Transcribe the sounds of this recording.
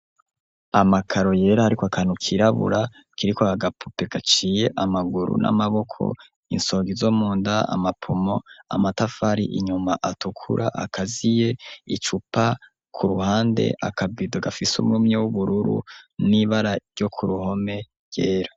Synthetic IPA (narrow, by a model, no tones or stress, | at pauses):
amakʰaɾo̞je̞ːɾahaɾikoakʰanukʰiɾaβṵɾa | kiɾikoaɡapʰupe̞ɡat͡ʃije̞ʔamaɡuɾṵnʔa̰maβo̞kʰo̰ | ḭnso̞ːɡizomuːndaa̰mapʰomo̞a̰matafaɾḭʔḭɲumaʔatukʰṵɾʔa̰ʔa̰kʰazije̞it͡ʃupa | kʰuɾuhaːndḛʔa̰kʰabidoɡafisṵmŋumɲewuβuɾuɾṵniβaɾaɾjo̞kʰuɾuho̞me̞ | je̞ːɾa